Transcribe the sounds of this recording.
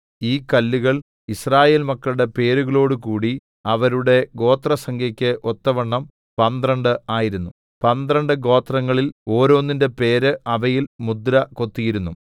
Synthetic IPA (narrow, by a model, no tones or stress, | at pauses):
iːkɐlːuɣɐɭ | israːje̞ːlmɐkːɐɭuɽe̞pe̞ːɾuɣɐɭo̞ːɽɨkuːɽi | ɐʋɐɾuɽe̞ɡo̞ːt̪rɐsɐŋɡʰʱjɐkʲːɨʔo̞t̪ːɐʋɐɳːɐm | pɐnd̪rɐɳɖɨaːjiɾunːu | pɐnd̪rɐɳɖɨɡo̞ːt̪rɐŋːɐɭilo̞ːɾo̞ːnːinde̞pe̞ːɾɨɐʋɐjilmud̪ɾɐko̞t̪ːijiɾunːu